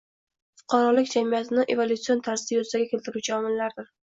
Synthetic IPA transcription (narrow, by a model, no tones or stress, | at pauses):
fʊ̥qʰɑɾɒlɪkʲd͡ʒamijat̪ʰɪnɪʔe̞volʲˠut̪sio̞nt̪ʰaɾsɪ̥t̪ɪjozɪd̪aɡʲakʲe̞lt̪ɪɾuwt͡ʃʰaɒmɪllːaɾd̪ɪɾ